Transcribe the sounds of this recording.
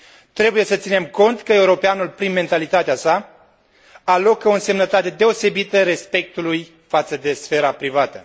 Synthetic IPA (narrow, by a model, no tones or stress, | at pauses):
t̪ɾe̞buje̞sət̪sine̞mko̞nt̪kəe̞uɾo̞peanulpɾinme̞nt̪alit̪at̪easa | alo̞konse̞mnət̪at̪e̞d̪e̞o̞se̞bit̪əɾe̞spe̞k̚t̪uluj | fat̪səd̪e̞sfe̞ɾapɾivat̪ə